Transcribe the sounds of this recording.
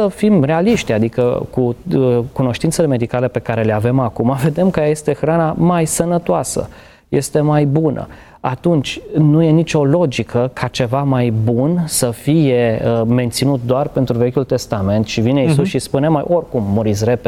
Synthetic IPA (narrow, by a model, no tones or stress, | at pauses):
əfimre̞aliʃt̪ʲad̪ikə̰kukuno̞ʃt̪int̪sele̞me̞d̪ikale̞pe̞kaɾe̞leave̞makumave̞d̪e̞mkəjaje̞st̪e̞xɾanamajsənət̪oasə̰ | je̞st̪e̞majbunʔə̰ | at̪unt͡ʃʲnuje̞nit͡ʃʲo̞lo̞d͡ʒikʰəkʰat͡ʃe̞vamajbunsəfije̞me̞nt̪sinut̪̚d̪oarpe̞nt̪ɾuve̞kʲult̪e̞st̪ame̞nt̪ʃivineisusʃispunemajʔo̞rkumːuɾit̪s̬ʲɾep